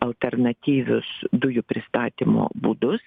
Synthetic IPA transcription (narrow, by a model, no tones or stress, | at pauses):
ɐlˠt̪ʲɛrnɐt̪ʲiːʋʲʊsd̪ʊjʊpʲɾʲɪst̪ɑːt̪ʲimo̰ːbuːd̪ʊs